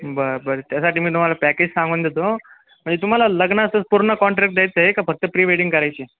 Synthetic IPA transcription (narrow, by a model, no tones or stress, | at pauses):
bəbəɾt̪jasaʈiːmiːt̪um̤alapæked͡ʑsãŋɡuːnd̪et̪o | m̤əɳd͡zet̪um̤alaləɡɳaːst̪əspuɾɳəkɔɳʈɾɛk̚ʈ̚d̪ajt͡s̪əekafəɡ̚t̪əpɾiʋeɽĩŋɡkəɾajt͡ɕe